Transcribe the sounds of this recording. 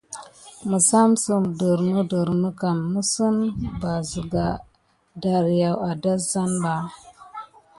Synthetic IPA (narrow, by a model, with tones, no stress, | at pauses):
mə˨sa˦msə˨mdə˨ɾnə˦də˨ɾnə˦ka˨nmə˦sə˦nba˨zə˨ɡa˨ | da˨ɾja˨wa˨da˦za˦nba˨